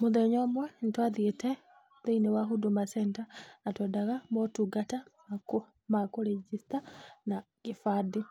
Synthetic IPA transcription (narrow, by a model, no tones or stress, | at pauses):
muðeɲomwantwaðiete | ðeinewaɦudumasentanatwedaɣamotuɡatamak | makoɾed͡ʒistanaɡ̥ifadi